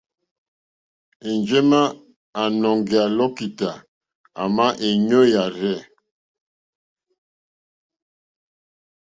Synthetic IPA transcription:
e˨nd͡ʒe˦ma˦ | a˨nɔ˨ŋɡi˨a˨lɔ˦ki˨ta˨ | a̰˨ma˦ʔe˨ɲo˦ja˨ɾɛ˦˨

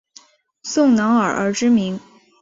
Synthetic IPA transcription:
sʊ˥˩ŋnɑ˧˥ŋə̰˞˨˩ə̰˞˧˥ʈ͡ʂɻ̩˥mi˧˥ŋ

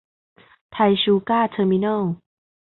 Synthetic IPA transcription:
t̪ʰa˧jɕuː˧kaː˥˩t̪ʰəː˧mi˧na˥˩l

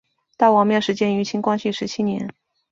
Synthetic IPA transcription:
t̪a˥˩ɪwɑ˨˥ŋmjɛ˥˩ʂɻ̩˧˥t͡ɕjɛ˥ny˧˥t͡ɕʰi˧˥ŋkwa˥nɕi˥˩ʂɻ̩˧˥t͡ɕʰi˥njɛ̰˧˥n

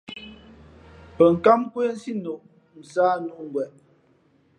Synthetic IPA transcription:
pə˨ŋ̩˨ka˦mkwe˦n̩˦si˦no˨ʔ | n̩˨saː˦nu˦˨ŋ˨ɡwɛ˨ʔ

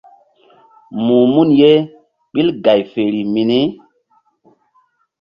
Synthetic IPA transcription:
muː˨mu˦nje˦ | ɓi˦lɡa˨jfe˨ɾi˨mi˨ni˦

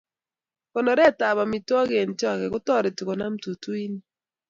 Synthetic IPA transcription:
kɔ˨nɔ˨ɾɛ˦˨ta˨βa˨mi˨twɔ˦ɡe˨nt͡ʃɔ˦˨kɛ˨ɡʊ˦tɔ˦˨ɾɪ˨tʊ˨kɔ˨na˦m̩tu˨tu˦i˦ni˦

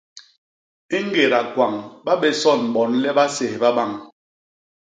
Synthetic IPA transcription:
i˦ŋ̩˦ɡe˨ɾa˨kwa˨ŋɓa˦ɓɛ˦sɔ˦˨n˨ɓɔ˨˦nlɛ˦ɓa˦se˨hɓa˦ɓa˦˨ŋ

